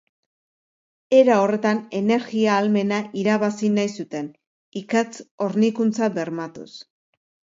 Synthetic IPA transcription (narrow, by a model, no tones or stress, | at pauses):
e̞ɾao̞re̞t̪ane̞ne̞ɾɣiaːlme̞naʔiɾaβasinajsut̪e̞n | ikat͡so̞ɾnikunt͡sabe̞ɾmat̪ṵs